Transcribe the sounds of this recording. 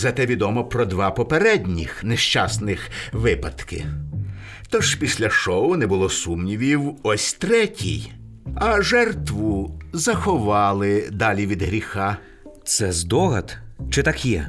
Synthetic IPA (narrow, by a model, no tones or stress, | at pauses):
zɐt̪ɛʋʲid̪ɔmɔpɾɔd̪ʋɑpɔpeɾɛdʲnʲḭxnɛʃt͡ʃɑsnɪxʋɪpɐt̪kɪ̰ | t̪ɔʒ̥pʲisʲlʲɐʃɔʊnɛbʊlˠɔsumnʲiʋʲiwɔsʲt̪ɾɛtʲʰḭj | ɐʒɛrt̪ʋʊzɐxɔʋɑlˠɪd̪ɑlʲiʋʲid̪ɦɾʲixɑ | t̪sɛzd̪ɔɦɐt̪t͡ʃɪt̪ɑkjɛ̰